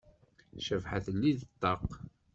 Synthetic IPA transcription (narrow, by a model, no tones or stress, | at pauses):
ʃəvħa̰θəlːiðət̪ˤːɑq